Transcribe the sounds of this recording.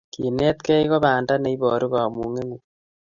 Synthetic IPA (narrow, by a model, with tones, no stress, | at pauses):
ki˨neː˦t̪kɛ˦ikɔ˦baː˨nda˦ne˨˦i˦bɔː˨ɾu˦kaː˨mu˨ŋe˦ŋu˨